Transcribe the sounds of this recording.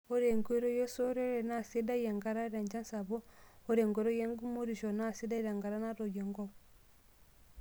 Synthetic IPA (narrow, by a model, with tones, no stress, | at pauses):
ɔ˦ɾe˨ŋɡe˦ɾɔ˦je˦so˦ɾe˦ɾɛ˨na˦˨si˦da˦je˨ŋɡa˦ɾa˦ɾa˨ɲd͡ʒa˦nsa˨βɔ˦ɔ˦ɾe˨ŋɡɔ˨˦ɾɔ˦je˦ŋɡu˦mu˦ɾi˨ʃɔ˨na˦˨si˦da˦ɾa˨ŋɡa˨ɾa˦na˦ɾɔ˨je˨ŋɡɔ˦β